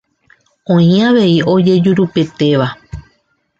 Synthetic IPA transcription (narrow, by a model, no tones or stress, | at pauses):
õ̞ĩaʋe̞io̞d͡ʒe̞d͡ʒuɾupe̞t̪e̞ʋa